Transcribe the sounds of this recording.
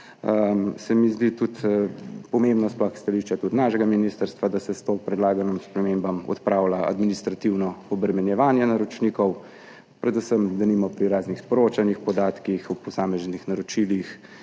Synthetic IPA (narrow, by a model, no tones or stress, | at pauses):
əsɛmizd̪it̪ut̪pɔmembnasplɔxst̪aliʃt͡ʃat̪ut̪naːʃɛɡaminiːst̪əɾst̪ʋad̪asɛst̪oːpɾɛd̪laːɡanɔmspɾɛmembamɔ̰t̪pɾaːwlaʔa̰d̪minist̪ɾat̪iwnɔɔbɾɛmɛnjɛʋaːnjɛnaɾɔt͡ʃnikɔw | pɾɛd̪usəmd̪ɐnimɔpɾiɾaːznixspɔɾoːt͡ʃanixpɔd̪aːt̪kixupɔsaːmɛznixnaɾɔt͡ʃilix